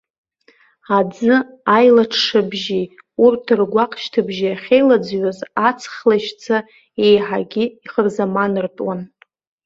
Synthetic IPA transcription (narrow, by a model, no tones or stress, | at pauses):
ad͡zɨ | ajlaʈ͡ʂʰʂɨbʒi | urtʰɨrɡʷaqʼʃtʰɨbʒijaχʲejlad͡zɥozat͡sʰχlaʃt͡sʰa | e̞jħaɡʲɪiχərzamanɨrtʼwan